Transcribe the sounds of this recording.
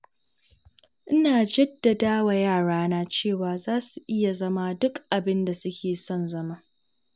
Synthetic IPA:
ʔɪ˦naː˨d͡ʒɛ˦dːa˨daː˦wa˨jaː˦˨ɽaː˦naː˦t͡ʃeː˦˨waː˨zaː˦su˨ʔɪ˦ja˨zɐ˦ma˦dʊ˦kʔa˨bɪ˦nda˨sʊ˦kʲeː˨sɔ˦˨nzɐ˦maː˦

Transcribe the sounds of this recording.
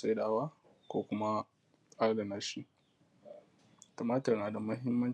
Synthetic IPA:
sa˦jɗaː˨waː˦ | kʷoː˦kʷʊ˦ma˦ | sʼa˦ɽda˨naː˦ʃiː˦ | to˨maː˦tɐ˨rnaː˨da˨mɐ˦ɦɪ˦mːɐ˦n

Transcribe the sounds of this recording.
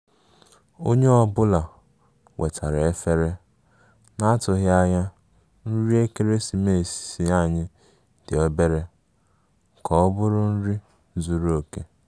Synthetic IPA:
o˦ɲe˦ɔ˦bʊ˦la˨ | wʔe˨tʰa˨ɾe˦fe˦ɾe˦ | na˦tʊ˨ɣɪ˦a˦ja˦ | n̩˦ɾi˦e˦ke˦ɾe˦si˨me˦˨si̥˨si˦a˦˨ɲɪ˦ | d̥ɪ˨o˦be˦ɾe˦ | kɔ˨ɔ˦bʊ˦ɾʊ˦n̩˦ɾi˦ | zu˦ɾo˦˨ke˦

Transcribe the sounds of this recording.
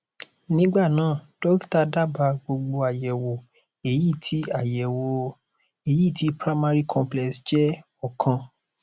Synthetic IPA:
nĩ˦ɡ͡ba˦˨nãː˨˦˨d̥ɔ˦kta˦˧da˦ba˧ɡ͡bo˧ɡ͡bo˧a˨jɛ˨wo˨ | e˨ji˦˨tʰi˦a˦˨jɛ˨wo˧ | e˨ji˦˨ti˨˦pɾa˦ma˦ɾi˦kʰɔ̃˧mplɛ˨sd͡ʒɛ˦ | ɔ˦˨kʰã˧

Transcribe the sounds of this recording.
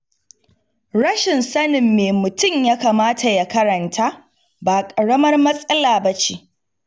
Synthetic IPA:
ɽɐ˦ʃɪ˨nsɐ˦nɪ˨mːeː˨mʊ˨tʊ˦mjaː˦kaː˨maː˦tʰa˨ja˦kɐ˦ɾɐ˨ntʰaː˦ | baː˨kʼɐ˨ɽɐ˦mɐ˦rmɐ˦sʼɐ˦laː˨bɐ˦t͡ʃiː˦ʔ

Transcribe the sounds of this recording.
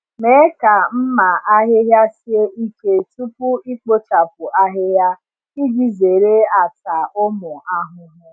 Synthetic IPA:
me˨˦e˦ka˨m̩˦ma˨ʔa˦ɦɪ˦ɦja˦sje˦i˦ke˨tu˦pu˦i˦k͡po˦t͡ʃa˨p̚ʊ˨a˦ɦɪ˦ɦja˦ | i˦di˨ze˨ɾe˦a˨ta˨ʔʊ˦mʊ˨a˦ɦʊ˦ɦʊ˦

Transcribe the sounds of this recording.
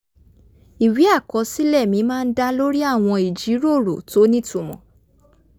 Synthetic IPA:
i˨wi˨˦a˦˨kɔ˨˧˦si˦lɛ˦˨mĩ˨˧˦mãː˦˧n̩˦da˦lo˦ɾi˦a˦˨w̃ɔ̃˧i˨d͡ʒi˨˦ɾo˦˨ɾo̰˨to˨˦nĩ˦tu˦˨mɔ̰̃˨

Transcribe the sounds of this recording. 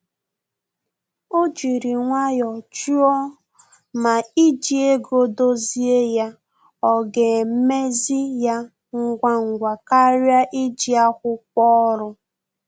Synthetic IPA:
o˦d͡ʒi˨ɾi˨ŋʷa˦jɔ˨t͡ʃu˦ɔ˦ | ma˨i˦d͡ʒi˨e˦ɡo˦do˦zi˦e˦ja˦ | ɔ˦ɡe˨m̩˦me˦zi˦ja˦ | ŋ̩˦ɡʷa˦ŋ̩˨ɡʷa˨ka˦ɾja˦ʔi˦d͡ʒi˦a˦kʷʊ˦k͡pɔ˦ɾʊ˦

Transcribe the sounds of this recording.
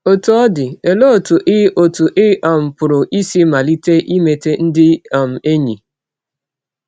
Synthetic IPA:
o˨to˨ɔ˦dɪ˨e˨lo˦o˨tu˨ʔɪ˦ʔo˨tu˨ʔɪ˦ʔa˨m̩˨pʊ˨ɾʊ˨ʔi˦si˦ma˨li˦te˦ʔi˦me˨te˦n̩˦dɪ˦a˨m̩˨e˦ɲi˨

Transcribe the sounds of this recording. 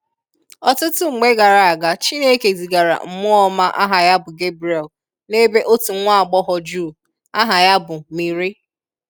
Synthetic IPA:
ɔ˦˨tʊ˦tʊ˦ŋ͡m̩˨ŋ͡me˦ɡa˨ɾa˨a˨ɡa˨t͡ʃi˦ne˦ke˨zi˨ɡa˨ɾa̰˨ŋ͡m̩˨mʊ˦ɔ˦ma˦ʔa̰˦ɦa˨ja˦bʊ˨ɡe˦bɾɛ˨l | ne˦be˦ʔo˦tu˨ŋ̩˦ŋʷa˦˨ɡ͡bɔ˦ɦɔ˨d͡ʒuː˦˨ | a˦ɦa˨ja˦bʊ˨mi˨ɾi˦

